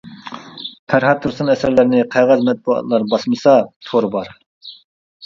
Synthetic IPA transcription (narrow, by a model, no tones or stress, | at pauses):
pʰæɾɦɑt̪ʰːuɾsunɛsæɾlɪɾnɪqʰɑʁɑzmɛt̪̚buɑ̰t̪lˠɑɾbɑsmɨsɑt̪ʰoɾbɑɾ